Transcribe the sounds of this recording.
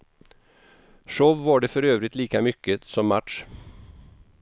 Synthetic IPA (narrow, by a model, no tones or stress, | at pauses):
ʂɔʋːɑːɖɛfɔɾøːvɾɪt̪liːkamʏkːəsɔmːaʈʂ